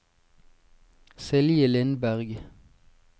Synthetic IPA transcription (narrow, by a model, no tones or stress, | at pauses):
sɛljəlɪnbæʁɡ